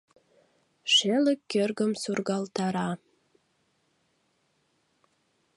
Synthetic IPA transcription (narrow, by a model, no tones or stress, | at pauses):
ʃeləkːørɡəmsurɡɑlt̪ɑɾɑ